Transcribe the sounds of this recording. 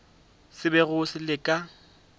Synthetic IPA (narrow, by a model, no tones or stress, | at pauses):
sɪbɛɣʊsɪlɪkʼa